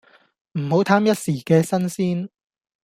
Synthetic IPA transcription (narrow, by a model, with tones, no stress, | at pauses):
m̩˨˩ho˨˥wt̪ʰaː˥mjɐ˥t̚siː˨˩kɛː˧sɐ˥nsiː˥n